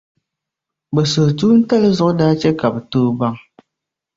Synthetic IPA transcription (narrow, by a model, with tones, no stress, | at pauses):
bɛ˨so˨tuː˦n̩˦ta˦lɨ˦zʊ˦ʔʊ˦daː˦t͡ʃɛ˦ka˨bɛ˨toː˦ba˦ŋ